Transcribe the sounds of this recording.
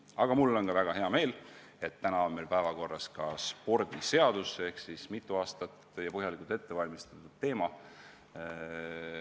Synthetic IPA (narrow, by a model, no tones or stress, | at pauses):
ɑɡ̥ɑmulːo̞nkɑvæɡ̥ɑɦe̞ɑme̞ːl | e̞t̪ːænɑo̞nme̞lpæevɑko̞rːɑskɑspo̞rd̪̥ise̞ɑd̪̥usee̞hksismit̪ːˑuɑːst̪ɑt̪jɑpɤɦjɑlikult̪et̪ːe̞vɑlʲmist̪ɑt̪ːud̪̥t̪ːe̞ːmɑ